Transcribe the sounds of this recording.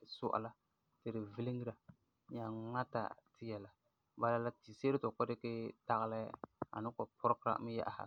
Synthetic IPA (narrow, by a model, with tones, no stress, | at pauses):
sʊ̰˦ʔa̰˨la˦ | tɨ˨ɾɪ˨vi˦li˦ŋ˦ɾa˨ | ɲa˨ŋa˦ta̰˨tɪ˦jɛ˨la˨ | ba˨la˨la˦ti˨se˦ɾɪ˦tɔ˨kɔ˦dɪ˦ke˦ta˦ɣla̰˦a̰˨nɨ˦kɔ˨pʰʊ˦ɾkɾa̰˨mi˦ja̰˦ʔa˨ha̰˨